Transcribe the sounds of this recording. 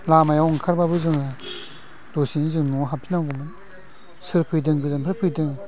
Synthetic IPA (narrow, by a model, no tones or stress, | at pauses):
lamajawɔŋkʰaɾbabɯzɯŋa | dosinizɯŋnuɦapʰinawɡɔmɯn | sɯɾpʰɯjdɯŋɡɯzɯmpʰɯɾpʰɯjdɯŋ